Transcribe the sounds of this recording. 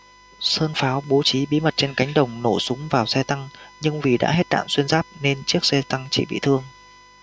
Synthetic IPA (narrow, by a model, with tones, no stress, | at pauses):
səː˧nfaː˨˦wɓo˨˦t͡ɕi˨˦ɓḭ˧˥mə˨˩t̚t͡ɕe˧nka˨˦jŋ̟ɗə˨˩wŋ͡mno˧˩sʊ˨˦ŋ͡mvaː˨˩wsɛ˧t̪a˧ŋɲɨ˧ŋvi˨˩ɗa̰ː˧˥ɦe˦˥t̚ɗa̰ː˧˨nswi˧ənzaː˦˥p̚ne˧nt͡ɕɨ˦˥ək̚sɛ˧t̪a˧ŋt͡ɕḭ˧˩ɓḭ˧˨t̪ʰɨ˧əŋ